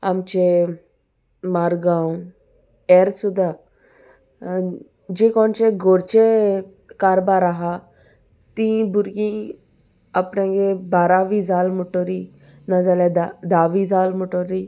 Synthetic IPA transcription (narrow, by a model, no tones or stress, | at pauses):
amt͡ʃe | maɾɡaũ | eɾsud̪a | d͡ʒekɔnt͡ʃeɡoɾt͡ʃe | kaɾbaɾaɦa | t̪ĩbuɾɡĩ | apnẽŋɡebaɾaʋizaːlmuʈoɾi | nazaled̪ad̪aːʋizaːlmuʈoɾi